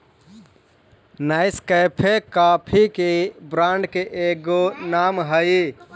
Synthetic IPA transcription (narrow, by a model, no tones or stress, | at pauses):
naɪskəjpʰekapʰikebɾaɳɖkeʔeɡonamɦəi